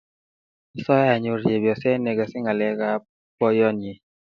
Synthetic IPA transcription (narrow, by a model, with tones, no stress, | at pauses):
sɔ˦ja˨ɲʊ˨ɾje˨bjɔ˨sɛ˦ne˨ɡa˨sɪ˦ŋa˨lɛ˦ɡa˦ | pɔ˦jɔ˦nje˨